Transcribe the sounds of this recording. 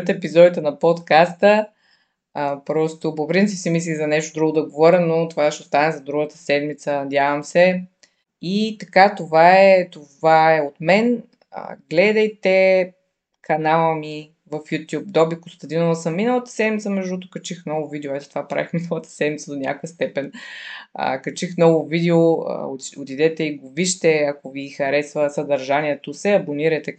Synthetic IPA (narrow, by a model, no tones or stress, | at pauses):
t̪ɛpizɔd̪it̪ɛnɐpɔt̪kast̪ə | əpɾɔst̪opopɾint̪sipsimis̬lizɐnɛʃt̪od̪ɾuɡʊd̪ɐɡovɔɾʲənot̪ovaʃɛost̪anɛzɐd̪ɾuɡət̪ə̥sɛd̪mit̪sənɐd̪ʲavəmsɛ | it̪ɐkat̪ovaɛt̪ovaɛot̪mɛn | ə̰ɡlɛd̪ɐjt̪ɛ | kʰɐnalˠəmi | vɐfjut̪ʲjub̚d̪ɔbikust̪ɛd̪inəlˠəsəmːinəlˠət̪ə̥sɛd̪mit̪səmɛʒd̪ut̪ʊ̥kət͡ʃixnɔvʊvid̪ɛoɛt̪ɛ̥t̪ovapɾa̰vixminəlˠət̪ə̥sɛd̪mit̪səd̪onʲa̰kojəst̪ɛpɛnə̰kɐt͡ʃixmnɔvʊvid̪ɛoə̰ot̪id̪ɛt̪ɛiɡoviʃt̪ɛɐkoviːxɐɾɛsvəsəd̪ɐɾʒaniɛt̪osɛɐboniɾɐjt̪ɛ